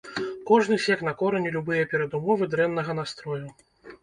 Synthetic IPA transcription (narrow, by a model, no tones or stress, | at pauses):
kɔʐnɨsʲɛkn̪ɐkɔɾɐnʲilʲubɨjɐpʲɛɾɐd̪umɔvɨd̪ɾɛnːɐɣɐn̪ast̪ɾɔju